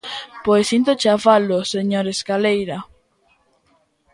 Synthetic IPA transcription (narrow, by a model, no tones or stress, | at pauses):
pojsint̪ot͡ʃaβaloseɲoɾeskalejɾa